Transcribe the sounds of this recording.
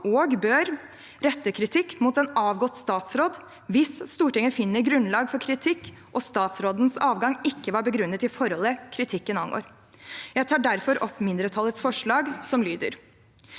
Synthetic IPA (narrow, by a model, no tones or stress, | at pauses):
oːɡbøːɾ | ɾɛt̪ːəkʰɾɪt̪ʰɪkːmuːt̪ɛnɑːʋɡɔt̪ːst̪ɑːt̪sɾoːd̪ | ʋɪsst̪uːʈɪŋːəfɪnːəɾɡɾʉnlɑːɡfɔɾkʰɾɪt̪ʰɪkː | ʔɔst̪ɑːt̪sɾoːd̪n̩sɑːʋɡɑŋɪkːəʋɑːɾbəɡɾʉnːət̪ɪfɔɾhɔləkʰɾɪt̪ʰɪkːənɑnɡo̰ːɾ | jæɪt̪ʰɑːɖæɾfɔɾʔɔpːmɪnd̪ɾət̪ʰɑlːət̪sfɔʂɭɑːɡsɔmlyːd̪ə̰ɾ